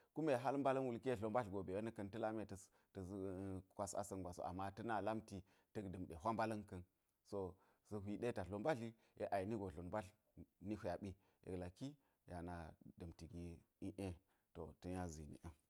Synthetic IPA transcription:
ku˦me˨ɦa˦lmba˦lɐ˦nwu˦˨lki˦e˦ɮo˨mba˦ɬɡo˨be˨je˦nə˦kɐ˦ntə˦la˦me˨tə˨ | tə˨˦˨kʷa˨sa̰˨sɐ˦nɡʷa˨so̰˨ʔa̰˨mːa˦tɐ˦na˨la˦mti˨ | tɐ˦kdə˨mɗe˨ɦʷa˦mba˦lɐ˦nkɐ˦n | so˨ | sə˨ɦi˨de˦ta˨ɬo˨nba˦ɬi˦ | jḛ˨ʔa˨i˨ni˦ɡo˨ɮo˨nba˦ɬ | ni˦hʷu˦ja˨ɓi˦ | jḛ˨ɡla˨ki˦ | ja˨na˨də˨mti˨ɡi˨ | i˦ʔe˦ | to̰˨tɐ˦ja˦zḭ˨nḭ˨ʔe˦

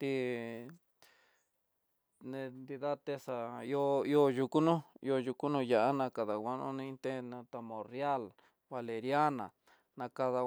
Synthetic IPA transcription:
t̪i˧ | nẽ˧nd̪i˧ða˦t̪e˦sa˨i˧o˧i˦o˧ju˧ku˦nũ˦ḭ˧o˧ju˧ku˦nũ˧ja˧ʔa˦nã˧ka˨ða˨wʷa˦nṵ̃˦nĩ˧t̪e˦nã˧t̪a˧mõ˨rja˦l | βa˧le˨ɾja˦nã̰˨ | nã˧ka˧ða˧

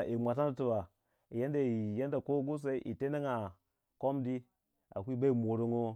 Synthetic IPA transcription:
ʔi˨mʷa˨t̬a˦n˦tu˨ba˨ | i˨ja˦nda˨i˨ja˦nda˨ko˦ɡu˦s̬a˦i˦ʔi˨te˦na˦ŋa˨ | ko˦mdi˦ | a̰˨kʷi˦ba˦i˨mo˨ɾo˦ŋo˦

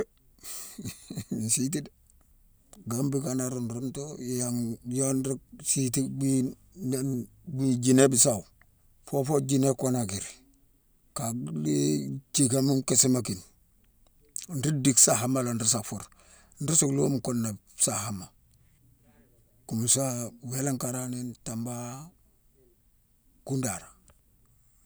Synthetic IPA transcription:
nsi˦t̬i˦d | ɡambi˦kanaɾonɾu˦nto˦jaŋjo˦nɾi˦k̚si˦ti˦bi | nn | bi˦d͡ʒi˦ne˦bi˨sa˨w | fo˦fo˦d͡ʒi˦ne˦kona˨ɡi˨ɾ | ka˨ɡlit͡ʃi˨ka˦mu˦mke˦si˦maki˨n | nɾi˦di˦ksa˨ɦa˦mːa˦la˨nɾi˦s̬a˨fu˨ɾ | nɾi˦su˨klo˦mko˦nːa˨bsa˨ha˦ma˨ | ku˨m˨sa˦we˦la˦ŋka˨ɾaninta˨mba˦ | ku˦nda˨ɾa˨

